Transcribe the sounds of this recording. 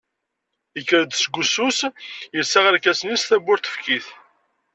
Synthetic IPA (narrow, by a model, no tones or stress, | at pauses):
ikːəɾd̪sɡʷususjəsːaʁaɾkæsənisθæbːʊɾt̪ə̥fkiθ